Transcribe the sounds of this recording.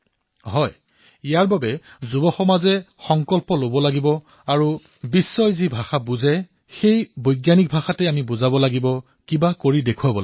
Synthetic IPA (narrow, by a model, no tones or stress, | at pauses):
ɦɔj | ijaɹbabɛzubɔxɔmazɛxɔŋkɔlpɔlobɔlaɡibɔ | aɹu | bisːɔjzibʱaxabuzɛ | xejbojɡjanik̚bʱaxatɛamibʊzabɔlaɡibɔ | kibakoɹidekʰuabɔl